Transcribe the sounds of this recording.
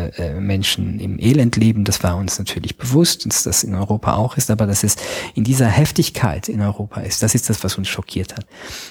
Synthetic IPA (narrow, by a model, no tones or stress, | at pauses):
ʔːmɛnʃn̩ɪ̰mʔeːlɛntʰleːbm̩dasv̥aːɐʊnsnatʰyːɐlɪçb̥əvʊstasd̥asɪnɔʏʁoːpʰa̰ʔa̰ʊxɪstʔaːbɐdasɛsɪndiːzɐhɛftɪçkʰa̰ɪtʰɪnɔʏʁoːpʰaɪstd̥asɪst̚d̥asv̥asʊnsʃɔkʰiːɐthat